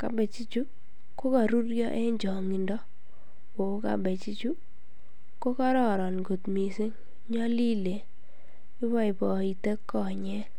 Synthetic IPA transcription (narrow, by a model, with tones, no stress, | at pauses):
ka̰˨bɛ˨t͡ʃi˦t͡ʃu˦ | ko˦ka˨ɾu˦ɾjɔ̰˦ʔe˦ɲd͡ʒɔ˨ŋi˨ndɔ˦ | o˨˦ka̰˨bɛ˨t͡ʃi˦t͡ʃu˦ | ko˦ka˦ɾɔ˨ɾɔ˨nɡo˨tmi˨sɪ˦ŋ | ɲɔ˦li˦le˨ | ɪ˦βɔ˦i˨bɔ˨i˨te˦kːɔ˨ɲɛ˦